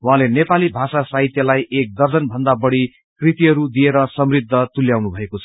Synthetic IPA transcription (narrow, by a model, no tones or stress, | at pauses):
uɦãlenepalibʱasasaɦit̪jʌlajʔek̚d̪ʌrd͡zʌnbʱʌnd̪abʌɽi | krit̪iɦʌɾud̪ieɾʌsʌmrid̪ʱːʌt̪uljawnubʱʌekot͡sʰʌ̥